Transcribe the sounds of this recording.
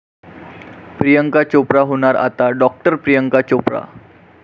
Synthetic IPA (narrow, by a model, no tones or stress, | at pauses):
pɾijəŋkat͡ɕopɾaɦoñaɾa̰t̪aɖɔk̚ʈəɾpɾijəŋkat͡ɕopɾa̰